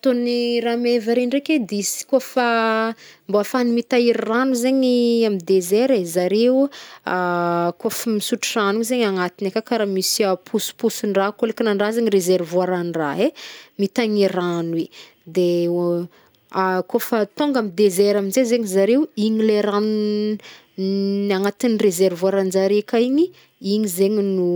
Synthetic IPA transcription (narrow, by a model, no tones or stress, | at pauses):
t̪oniramevaɾeɳreked̪isi̥kofa | mboafanimit̪aiɾranuzeɲiamid̪ezeɾezaɾeu | kofəmisuʈ͡ʂiranuzeɲaŋat̪inakakaɾamisiapʰusu̥pusuɳɖ͡ʐakolikinaɳɖ͡ʐazeɲirezeɾvuaɾanra̰ɦemit̪aɲiɾanwe | d̪e | akofət̪oŋɡamid̪ezɛɾaminzezeɲizaɾewiɲileɾan | aŋat̪inirezeɾvwaɾand͡ʒaɾekaiɲi | iɲizeɲinu